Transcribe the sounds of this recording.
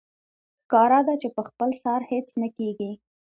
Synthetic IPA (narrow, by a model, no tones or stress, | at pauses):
xkɑɾad̪at͡ʃepəxpəlsɑɾhet͡snəkeɡi